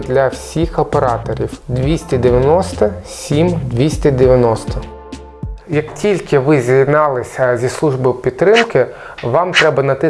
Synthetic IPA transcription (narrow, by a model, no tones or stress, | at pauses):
d̪lʲɐwsʲixɐpeɾɑt̪ɔɾʲiwd̪ʋʲisʲtʲɛd̪ɪʋʲjɐnɔst̪ɐsʲimd̪ʲʋʲisʲt̪ʲɐd̪eʋʲjɐnɔst̪ɔ | jɐktʲilʲkɪʋɪzʲid̪nɑlˠɪsʲɐzʲislˠuʒbowpʲid̪t̪t̪ːɾɪmkɪ | ʋɑmt̪ɾɛbɐnɐt̪ɪ